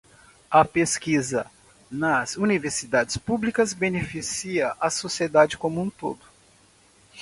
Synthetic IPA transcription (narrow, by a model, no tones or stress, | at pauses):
ɐpeskizɐ | nɐzuniveɾsid̪ad͡ʒɪspublikɐzbenefisiɐʔɐsosied̪ad͡ʒɪkõmũt̪o̰d̪ʊ